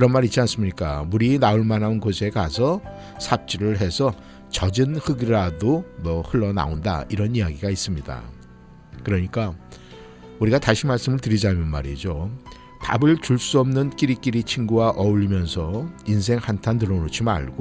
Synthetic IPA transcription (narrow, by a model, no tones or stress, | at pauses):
kɯɾʌnmaɾit͡ɕ͈ians͈ɯmɲik͈a̰muɾiːnauɭmanɦanɡosʰe̞kasʰʌ | sʰap̚t͡ɕ͈iɾɯɭɦe̞sʰʌ | t͡ɕʌd͡ʑɯnhɯɡiɾadomʌhɯɭːʌna̰onda̰iɾʌnijaɡiɡais͈ɯmɲida̰ | kɯɾʌɲik͈a | uɾiɡataɕʰimaɭs͈ɯmɯɭtɯɾid͡ʑamjɯnma̰ɾid͡ʑo | ta̰bɯɭt͡ɕuɭs͈uʌmnɯnk͈iɾik͈iɾit͡ɕʰiŋɡuwaʔʌuʎːimjʌnsʰʌinsʰe̞ŋhantʰandɯɾʌnot͡ɕʰima̰ɭɡ̥o